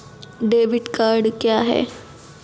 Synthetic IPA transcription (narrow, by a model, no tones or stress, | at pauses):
ɖeʋiʈkaɾɖkjaɦḛ